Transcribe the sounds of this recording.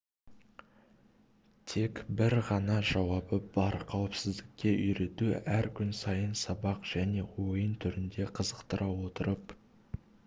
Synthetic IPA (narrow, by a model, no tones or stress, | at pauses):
t̪ʰe̞kbɪɾʁɑnɑʒɑwɑbəb̥ɑɾqʰɑwəpsɪzd̪ɪk̚ʲːe̞ʔʏjɾe̞t̪uæɾkʲʰʏnsɑjənsɑbɑqʒ̥æne̞wo̞jənt̪ʰʏɾɪnd̪e̞qʰəzəqt̪əɾʔɑwo̞t̪əɾəp